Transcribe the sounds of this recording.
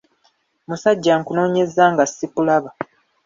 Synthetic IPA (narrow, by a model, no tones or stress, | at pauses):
musaɟːaŋkuno̞ːɲezaːŋɡasːipulaβa